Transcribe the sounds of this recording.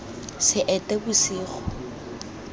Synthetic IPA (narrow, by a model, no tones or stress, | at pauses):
sɪʔɛtʼebusiːχɔ̥